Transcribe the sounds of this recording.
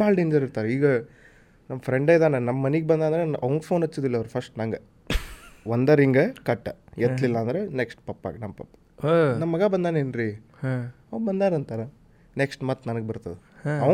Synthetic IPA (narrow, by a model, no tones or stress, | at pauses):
maːlɖeːɲd͡ʒɐɾiɾt̪aːɾiːɡɐ | nɐmːɐpʰɾeɳɖɐjd̪aːnenɐmːɐːɐniɡebɐnd̪aːnd̪ɾeʔɐʋɐŋɡɐpʰoːnɐt͡ʃːuːd̪ilːɐːʋɾpʰɐsʈnɐŋɡe | ʋond̪ɐɾiŋɡɐkɐʈːɐet̪lilːɐːnd̪ɐɾeneksʈpɐpːa̰ːɡnɐmːɐpɐpːḁ | nɐmːɐɡabɐnd̪aːneːnɾi | ɐʋɡbɐnd̪aːnɐnt̪aːɾe | neksʈmaːt̪nɐnɐɡebɐɾt̪ɐd̪ɛ | ɐ